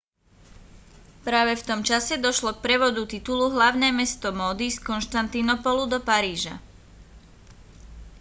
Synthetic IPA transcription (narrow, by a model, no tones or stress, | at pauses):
pɾaːʋɛft̪ɔmt͡ʃasɛd̪ɔʃlɔk̚pɾɛʋɔd̪ut̪it̪uluɦlaʊnɛːmɛst̪ɔmɔːd̪iskɔnʃt̪ant̪inɔpɔlud̪ɔpaɾiːʒa̰